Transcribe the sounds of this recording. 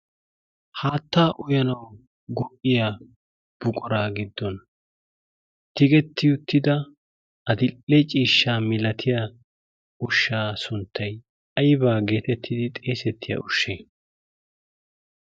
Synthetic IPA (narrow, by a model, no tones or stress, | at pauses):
haːt̪ːaːʔʊjɐnɐw | ɡɔʔʼɪja | b̥ʊkʼɔɾaːɡɪd̪ːɔn | t̪ɪɡɛt̪ːɪjʊt̪ːɪd̪ɐ | ɐd̪ɪlːɛt͡ʃʼiːʃːaːmɪlɐt̪ʰɪja | ʊʃːaːsʊnt̪ʰːɐj | ɐjbaːɡe̞ːt̪ɛt̪ʰːɪd̪ɪt̪ʼeːsɛt̪ʰːɪjɐ̰ʔʊʃːeː